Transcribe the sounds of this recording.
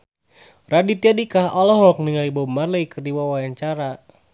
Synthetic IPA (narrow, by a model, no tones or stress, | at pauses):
radit̪iadikaɦɔlɔɦɔk̚niŋalibɔmarlɛikərdiwawajaɲt͡ʃaɾa